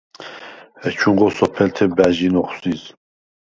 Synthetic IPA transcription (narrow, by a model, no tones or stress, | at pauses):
hɛt͡ʃʰuŋʁɔsɔpʰɛlt̪ʰɛbæʒinɔχsiz